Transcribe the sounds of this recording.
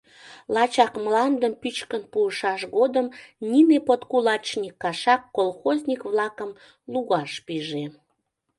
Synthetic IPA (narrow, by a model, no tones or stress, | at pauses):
lɑt͡ɕɑkmlɑnd̪əmpyt͡ɕkənpuəʃɑʃɣod̪əmnʲinepot̪kulɑt͡ɕnʲikːɑʃɑkːolxozʲnʲikβlɑkəm | luɣɑʃpiʒe